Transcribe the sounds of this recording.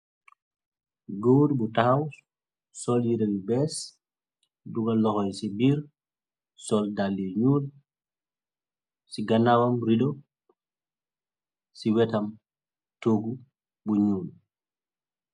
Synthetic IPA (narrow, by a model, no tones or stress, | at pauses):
ɡowdbutaxaw | sɔljiɾewibɛs | duɡɐlɔxɔjsibiːɾ | sɔldalːiɲuːl | siɡanawɐmɾidɔ | siwɛtɐm | toːɡu | buɲuːl